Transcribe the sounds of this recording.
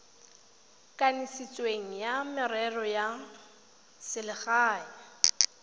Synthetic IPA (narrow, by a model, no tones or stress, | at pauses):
kʼanisit͡sʼweŋ̩jamɔɾɛrɔja | sɪlɪχaːja